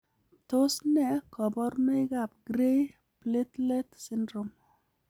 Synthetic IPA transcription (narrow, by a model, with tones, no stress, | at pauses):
to˦snɛ˨kɔ˨bɔ˦ɾme˦ɡa˨p̚ɡ̥ɾe˦j | ple˦t̪lɛ˦tsɪ˦ndɾo˨m